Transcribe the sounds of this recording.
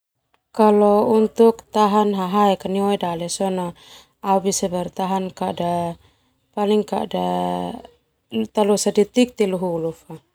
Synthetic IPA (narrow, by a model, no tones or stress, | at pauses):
kalɔunt̪uk̚t̪aɦanɦaɦaɛkaniwaidalɛsɔna | aubisabɛrt̪aɦankada | paliŋka̰ʔda | t̪alɔsadit̪ik̚t̪iluɦulufa